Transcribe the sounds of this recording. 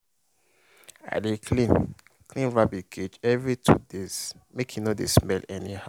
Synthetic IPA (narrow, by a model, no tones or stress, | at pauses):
a̰dekʰlĩn | klĩnɹabiɡed͡ʒɛvɹitʰṵdez̥mekʰjunodesmɛlɛniha